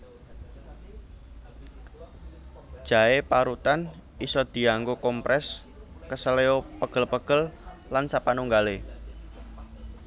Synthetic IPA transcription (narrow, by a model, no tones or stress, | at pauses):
d̥ʒ̥a̤epaɾut̪anisɔd̪̥i̤aŋɡokɔmpɾʔɛs | kəsəleopəɡ̥ə̤lpəɡ̥əllansapanuŋɡale